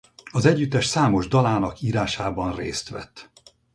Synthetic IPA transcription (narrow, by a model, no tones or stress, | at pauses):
ɒzɛɟːyt̪ːɛʃsaːmo̞ʒd̪ɒlaːnɒkiːɾaːʃaːbɒnrḛːst̪ʋɛ̰t̪ː